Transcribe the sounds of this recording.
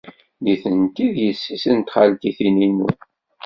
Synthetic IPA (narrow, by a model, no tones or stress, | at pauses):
liθənt̪iðjəsːisənt̪χalkiθininṵ